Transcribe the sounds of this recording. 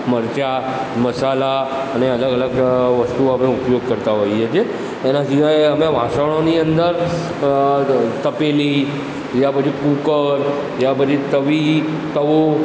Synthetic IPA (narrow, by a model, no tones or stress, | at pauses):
məɾt͡ʃa | məsala | əneələɡələɡʋəst̪uəmẽupjoɡ̚kəɾt̪aɦoiet͡ʃʰieː | nãsiʋajəmeʋʱasəʋɽ̃oniənd̪əɾ | t̪əpeli | japəd͡ʒʰikukəl | japəd͡ʒʰit̪əʋi | t̪əʋo